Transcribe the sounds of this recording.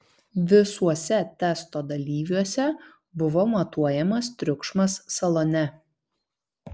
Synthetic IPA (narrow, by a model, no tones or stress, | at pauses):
ʋʲɪsuɔsʲɛt̪ʲɛˑst̪oːd̪ɐlʲiːʋʲuɔsʲɛ | bʊʋomɐt̪uɔjɛmɐst̪ʲɾʲʊkʃmɐsːɐlˠɔnʲɛ